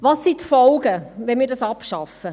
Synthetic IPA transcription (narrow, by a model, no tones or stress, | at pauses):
ʋɑːsːitfɔlɡəʋɛnmiːɾdɑsɑpʃɑfə